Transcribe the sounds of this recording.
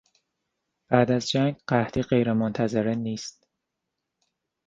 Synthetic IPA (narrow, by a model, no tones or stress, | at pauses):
b̥æːd̪æzd͡ʒæŋɡɢæht̪ʰiːɢe̞jɾemont̪ʰæze̞ɾeniːst̪̚